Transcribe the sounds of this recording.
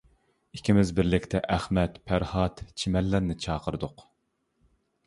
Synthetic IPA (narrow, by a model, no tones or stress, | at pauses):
ikʲʰimɪzbɪɾlɪkʲt̪ʰɛʔæχmɛt̪pʰæɾhɑt̪t͡ʃʰimɛlːæɾnɪt͡ʃʰɑːqəɾɨd̪ʊq